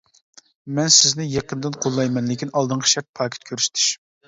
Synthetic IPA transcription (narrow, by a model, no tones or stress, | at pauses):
mɛnsɪznɪjɑqənd̪ɨnqʰolˠːɑjmɛnlɪkʲʰinɑlˠd̪ɨɴqʰə̥ʃɛɾt̪̚pʰɑːkʲʰi̥t̪̚kʲʰøɾsɪ̥t̪ʰy̥ʃm